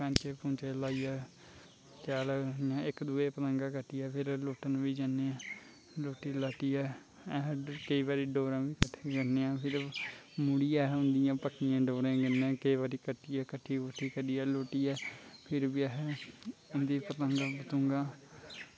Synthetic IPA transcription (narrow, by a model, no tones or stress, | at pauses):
pɛ̃ːt͡ʃepõːt͡ʃeːlaːiːjaː | t͡ʃaːlnɪjãːɪkd̪uːeːpət̪əŋɡãːkəʈːiːɛːpʰɪɾloːʈənʋiːd͡ʒanːeːãː | loːʈiːlaːʈiːɛː | ɛɦkəiːʋaːɾiːɖoːɾãːʋiːkəʈʰːɡəneːãːpʰɪɾmʊɽijaːʊ̃nd̪ɪjãːpəkʰnɪjãːɖoːɾãːɡənːẽːkəiʋaːɾiːkəʈːiːɛːkəʈʰːiːkʊʈʰːiːkəɾiːɛːloːʈiːɛːpʰɪɾbiːɛɦ | ɪnd̪iːpət̪əŋɡaːbət̪ʊ̃ːŋɡãː